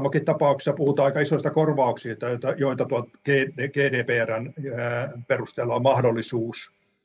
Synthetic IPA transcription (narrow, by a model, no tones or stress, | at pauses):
mːokit̪t̪ɑpɑuksi̥sːɑpuhut̪ɑɑikɑisoist̪ɑkorʋɑuksist̪ɑjot̪ːɑjoit̪ɑt̪uɑlt̪ɡ̥eːeɡ̥eːdeːpeːæræn | perust̪elːɑommɑhdolːisuːs